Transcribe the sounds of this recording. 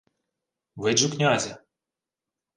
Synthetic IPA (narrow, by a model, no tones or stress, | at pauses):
ʋɪd͡ʒʊknʲazʲɐ